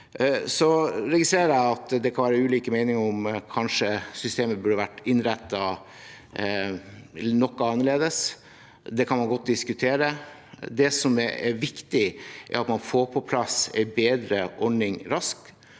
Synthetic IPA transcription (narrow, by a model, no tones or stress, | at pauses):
sɔɾɛɡɪst̪ɾeːəɾæɪɑt̪d̪ɛkʰɑnʋæːɾəʉːliːkəmɛɪnɪŋɔmkʰɑnʂəsʏst̪eːməbʉɖəʋæʈːɪnɾɛt̪ːɑ | nɔkːɑɑnːəɭeːd̪əs | d̪ɛkʰɑnmɑnɡɔt̪̚ːd̪ɪskʉt̪ʰeːɾə | d̪ɛsɔmɛ̰ɾʋɪkt̪ɪʔɛ̰ɾɑt̪mɑnfoːɾpʰɔpʰlɑsɛ̰ɪbeːd̪ɾəʔɔɖɳɪŋɾɑsk